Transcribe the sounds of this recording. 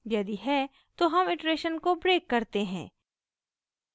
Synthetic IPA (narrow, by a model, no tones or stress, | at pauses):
jɐd̪iɦɛ | t̪oɦɐmɪʈɾeːʃənkobɾeːkːɐɾt̪eɦɛ̰̃ː